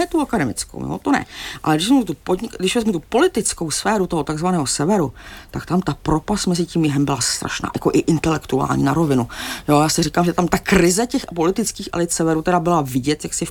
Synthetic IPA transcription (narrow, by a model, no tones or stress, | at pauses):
ɛt̪uakadɛmɪ̰t͡sko̰wjo̰t̪onɛ̰ʔa̰lɛɡdɪʃvɛɛut̪upodɲɪdɪʃvɛzmɛt̪upo̞lɪt̪ɪt͡sko̞wsfɛːɾut̪oɦo̞t̪aɡzvanɛːɦo̞sɛvɛɾut̪akt̪amt̪apɾo̞past̪mɛzɪciːmjɪɦɛmbɪlast̪ɾʔa̰ʃna̰ːja̰koʔɪʔɪnt̪ɛlɛkt̪ua̰ːlɲḭːnaɾo̞vɪnujoːjaːsɪriːkaːmʒɛt̪amt̪akɾɪzɛcɛxpo̞lɪt̪ɪt͡skiːxʔɛ̰lɪt̪sɛvɛɾut̪ɛɾabɪlavɪɟɛt̪jaksɪ